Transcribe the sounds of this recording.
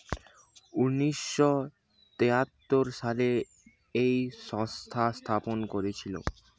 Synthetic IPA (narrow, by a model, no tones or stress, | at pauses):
uniʃːɔ | t̪eɦat̪ːoɾʃale | ejʃɔ̃st̪ʰast̪ʰaponkoɾet͡ɕʰilo̰